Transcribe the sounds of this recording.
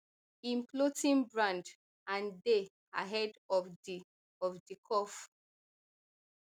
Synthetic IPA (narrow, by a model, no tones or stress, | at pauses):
ĩmplotĩnbɹãnd | ãnde | aɦɛdɔdi | ɔfdikʰɔf